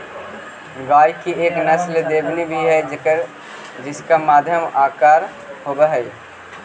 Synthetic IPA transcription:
ɡaːjkieːknɐsld̪eːbnibʱiɦɛd͡ʒkəɾ | d͡ʒɪskamaːd̪ʱjəmaːkaːɾ | ɦoːbəɦɛj

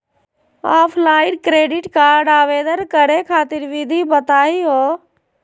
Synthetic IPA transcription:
aːpʰlaːɪɖkɾeːɖɪʈkaːɖaːʋeːd̪əɾkəɾekʰaːt̪ɪɾʋɪd̪ʱibət̪aːiɦoː

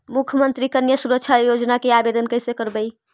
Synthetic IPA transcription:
mukʰjəmənt̪ɾikənjəsuɾək̚t͡ʃʰajod͡ʒnakeabed̪ənkəɦisekəɾbəj

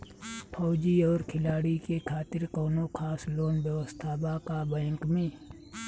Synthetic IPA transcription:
pʰɔːd͡ʒiɔːɾkʰɪlaːɽikekʰaːt̪ɪɾkɔːnokʰaːsloːnbjəʋəst̪ʰaːbakabɛ̃ːŋkmẽː

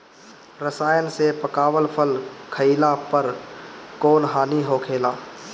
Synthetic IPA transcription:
ɾəsaːjənsepəkaːwəlpʰəlkʰəilapəɾkoːnɦaːniɦokʰeːlaː

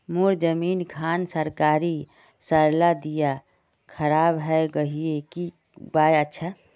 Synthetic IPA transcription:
muɾd͡ʒəmiːnkʰansəɾkaɾi | səɾlad̪ija | kʰəɾaːbɦɛɡəɦieki | bajətːʃʰa

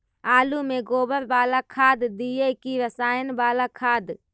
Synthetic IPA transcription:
aːlumẽɡoːbəɾbaːlakʰaːd̪d̪ijekiʋəsaːjənbaːlakʰaːd̪

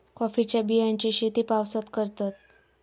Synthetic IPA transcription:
kɔfit͡ɕjabijant͡ɕiɕet̪iːpaʋsat̪kəɾt̪at̪̚

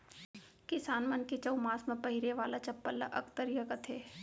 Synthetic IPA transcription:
kɪsaːnmɐnket͡ʃɐwmaːsmẽpɐɦiɾeʋaːlat͡ʃɐpːəlːa̰ʔɐkt̪əɾjɐkɐt̪ʰeː

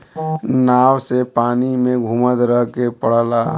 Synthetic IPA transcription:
nawsepanimeɡʱumət̪ɾəɦkepəɽ̤la

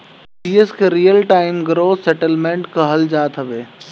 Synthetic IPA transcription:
iːəskeɾijəlʈaːɪmɡɾoːsɛʈəlmẽɳʈkɐɦəld͡ʒaːt̪ɦɐʋeː

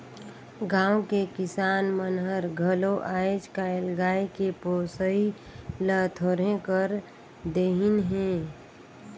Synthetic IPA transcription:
ɡãːwkekɪsaːnmənɦəɾɡʱəloʔaːjd͡ʒkaɪlɡaːikepoːsəi | lət̪ʰoːɾẽkəɾ | d̪eɦɪnɦɛ̃ː

